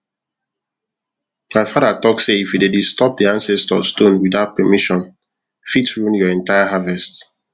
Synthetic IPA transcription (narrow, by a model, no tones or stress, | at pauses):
maɪfadatɔkseifjudedistɔp̚diãnsɛstɔstõnwiðaʊt̚pɛmiʃɔ̃n | fitɹonjɔɛ̃ntajaɦavɛst